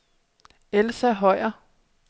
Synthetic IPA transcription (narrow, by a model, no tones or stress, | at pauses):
elsæɦɒɪ̰ɐ